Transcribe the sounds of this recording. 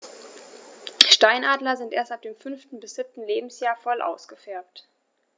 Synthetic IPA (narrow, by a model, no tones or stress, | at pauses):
ʃtaɪnʔaːdlɐzɪntʔeːɐstap̚d̥eːmfʏnftn̩bɪsz̥ɪp̚tn̩leːbm̩sjaːɐfɔlʔa̰ʊsɡ̥əfɛɐp̚t